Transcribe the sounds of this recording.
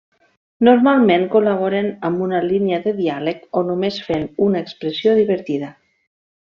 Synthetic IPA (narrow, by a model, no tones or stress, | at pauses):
noɾmalˠmeŋkolaβ̞oɾenəmbunaliniəðəðialəkonumesfenunaekspɾəsioðiβəɾt̪iðə